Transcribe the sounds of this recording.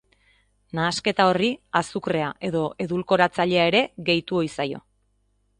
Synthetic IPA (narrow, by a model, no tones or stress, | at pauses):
naːske̞t̪ao̞riasukre̞aʔe̞ðo̞ʔe̞ðulko̞ɾat͡saʎe̞ae̞ɾe̞ɣe̞jt̪uo̞jsajo̞̰